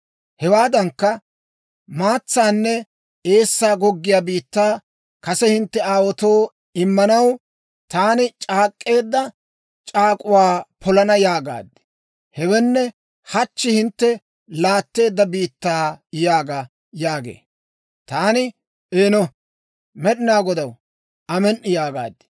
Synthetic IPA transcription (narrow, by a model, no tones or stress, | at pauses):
hɛwaːd̪ɐŋkːɐ | maːt͡sːaːnːɛ | e̞ːsːaːɡɔɡːɪjaːbiːt̪ːaː | kɐsɛhɪnt̪ːɛaːwɔt̪o̞ː | ɪmːɐnɐw | t̪aːnɪt͡ʃʼaːkʼːe̞ːd̪ːɐ | t͡ʃʼaːkʼʊwaːpʰɔlɐnɐjaːɡa̰ːd̪ɪ̥ | hɛwɛnːɛ | hɐt͡ʃːɪhɪnt̪ːɛ | laːt̪ːe̞ːd̪ːɐbiːt̪ːaːjaːɡa | jaːɡḛː | t̪aːnɪ | eːnɔ | mɛɗɪnaːɡɔd̪ɐw | ɐmɛnʔɪjaːɡa̰ːd̪ɪ̥